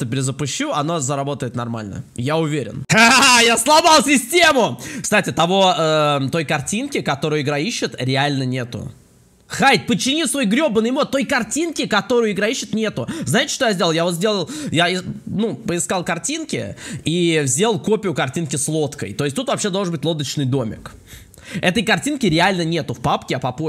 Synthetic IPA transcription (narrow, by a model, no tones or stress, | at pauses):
əpʲɪɾʲɪzəpʊɕːuɐnozəɾɐbo̞t̪əɪt̪nɐrma̰lʲnə̰jaʊvʲeɾʲɪ̰najaslˠɐbɑlˠsʲɪsʲtʲemʊkst̪atʲɪt̪ɐvo̞ət̪o̞jkɐrtʲinkʲɪkɐt̪o̞ɾʊjʊɪɡɾaiɕːɪt̪ɾʲɪalʲnənʲe̞t̪ʊ̰ | xajt̪̚ʲpət͡ɕːɪnʲisvo̞jɡɾʲo̞bənɨjmot̪t̪ːo̞jkɐrtʲinkʲɪkɐt̪o̞ɾʊjʊɪɡɾaiɕːɪt̪nʲe̞t̪ʊznaɪtʲɪ̥ʂt̪ojazʲdʲelˠlˠjavo̞t̪zʲdʲe̞lˠəlˠjaɪnupəɪskalˠkɐrtʲinkʲɪ̰ivzʲelˠko̞pʲɪjʊkɐrtʲinkʲɪslˠo̞t̪kə̰jt̪o̞ɪsʲtʲt̪ut̪vɐpɕːed̪olˠʐənbɨtʲlˠo̞d̪ət͡ɕnɨjd̪o̞mʲɪ̰k | ɛt̪əjkɐrtʲinkʲɪɾʲɪalʲnənʲe̞t̪ʊfpapkʲɪɐpɐpo